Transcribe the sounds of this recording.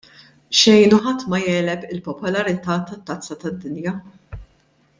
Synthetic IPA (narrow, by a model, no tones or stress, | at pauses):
ʃɛjnuħɐt̪ːmɐjɛːlɛpɪlpɔpɔlɐɾɪt̪ɐːt̪ɐt̪ːɐt͡sːɐt̪ɐd̪ːɪnjɐ